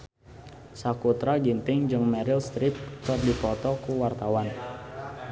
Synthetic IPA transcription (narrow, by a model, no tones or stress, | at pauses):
sakut̪ɾaɡint̪ɪŋd͡ʒɨŋmɛɾɪlst̪ɾɪp̪̚kɨrdipɔt̪ɔkuwart̪awan